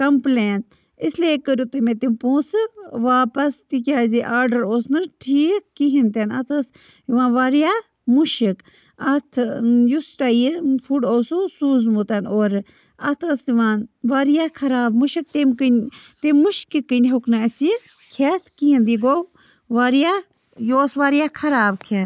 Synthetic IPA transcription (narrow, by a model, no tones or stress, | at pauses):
kɐmpleːn | isleːkəɾʲut̪ɨmẽt̪impũːsɨʋaːpɐst̪ikʲaːziʔaːɾɖɐɾoːsnɨʈʰiːkːiɦint̪enɐt̪ʰəsjiʋãːnʋaːɾija | muʃik | ɐt̪ʰjusʈajfʰuɖoːsusuːzmut̪ɐnoːɾ | ɐt̪ʰəsiʋaːnʋaɾjaːkʰɐɾaːbmuʃik̚t̪emkɨnt̪emuʃkikːɨnʲɦoknaɐsi | kʰet̪ʰkiind̪iɡow | ʋaɾja | joːsʋaːɾijaːkʰɐɾaːbkʰen